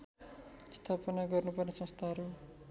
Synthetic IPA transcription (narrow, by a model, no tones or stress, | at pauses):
st̪ʰapʌnaɡʌrnupʌrnesʌ̃st̪ʰaɦʌɾu